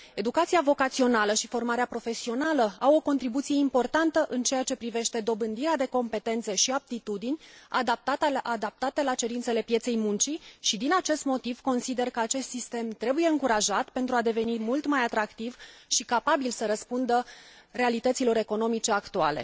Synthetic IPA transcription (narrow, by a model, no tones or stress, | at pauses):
e̞d̪ukat̪sijavo̞kat̪sio̞naləʃifo̞rmaɾeapɾo̞fe̞sio̞naləawo̞ko̞nt̪ɾibut̪sije̞impo̞rt̪ant̪əʔɨnt͡ʃe̞jat͡ʃe̞pɾive̞ʃt̪e̞d̪o̞bɨnd̪iɾead̪e̞ko̞mpe̞t̪e̞nt̪se̞ʃiap̚t̪it̪ud̪inʲa̰d̪ap̚t̪aʔad̪ap̚t̪at̪e̞lat͡ʃe̞ɾint̪se̞le̞pije̞t̪se̞jmunt͡ʃiʃid̪inat͡ʃe̞st̪mo̞t̪iv̥ko̞nsid̪e̞rkəat͡ʃe̞st̪sist̪e̞mt̪ɾe̞bujeɨŋkuɾaʒat̪pe̞nt̪ɾuad̪e̞ve̞nimult̪majat̪ɾakt̪ivʃikapabilsəɾəspund̪əre̞alit̪ət̪silo̞ɾe̞ko̞no̞mit͡ʃe̞akt̪uale̞̰